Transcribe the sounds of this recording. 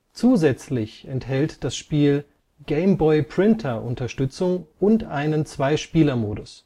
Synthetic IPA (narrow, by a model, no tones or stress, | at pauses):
t͡suːzɛt͡slɪçɛnthɛltd̥asʃpiːl | ɡ̥eɪmbɔɪpʁ̥ɪntʰɐʔʊntɐʃtʏt͡sʊŋʔʊntʔa̰ɪnənt͡sv̥aɪʃpiːlɐmoːdʊs